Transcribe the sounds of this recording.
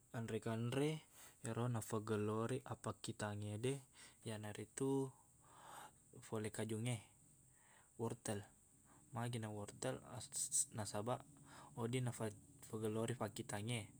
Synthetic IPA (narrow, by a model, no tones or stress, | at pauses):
anɾɛkanɾɛɾʔonafaɡəloɾiʔapakit̪aŋedɛjanaɾit̪u | folɛkad͡ʒuŋe | wɔrt̪ɛl | maɡinawɔrt̪ɛl̰ | nasabaʔodinafafaɡəloɾifakit̪aŋe